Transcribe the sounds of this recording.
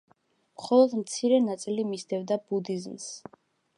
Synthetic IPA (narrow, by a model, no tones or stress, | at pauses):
mχɔlˠɔd̪mt̪sʰiɾɛnat̪sʼilimisd̪ɛvd̪abud̪izms